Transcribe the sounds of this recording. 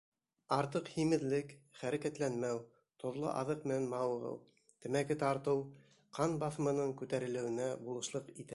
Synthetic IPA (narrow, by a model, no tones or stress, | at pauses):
ɑɾt̪ɤqhimɘ̆ðlɘkχæɾækæt̪lænmæw | t̪ŏðlˠɤ̰ʔɑ̰ðɤqmɘ̆nænmɑwɤ̆ʁɤ̰w | t̪ɘ̆mækɘt̪ɑɾt̪ɤw | qɑnbɑθmɤ̆nɤɴkʉt̪æɾɘ̆lɘ̆wɘ̆næbulˠɤ̆ʃlˠɤqit̪æ